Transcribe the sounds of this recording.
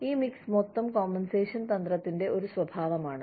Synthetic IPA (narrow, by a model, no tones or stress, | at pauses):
iːmiksmot̪ːɐmkoːmːenseːʂɐnt̪ɐnd̪rɐt̪ːinde̞ʔo̞ɾusʋɐbʱaːʋɐmaːɳɨ